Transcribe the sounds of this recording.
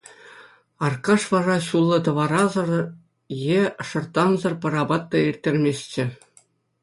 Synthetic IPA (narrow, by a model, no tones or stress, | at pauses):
ɑrkɑʂʋɑrɑɕulˠːɤ̆t̪̬ɤ̆ʋɑɾɑzɤ̆r | jeʂɤ̆rt̪ɑnzɤ̆rpɤ̆ɾɑbɑt̪ːɑirʲt̪ʲːerʲmʲesʲt͡ɕɘ̆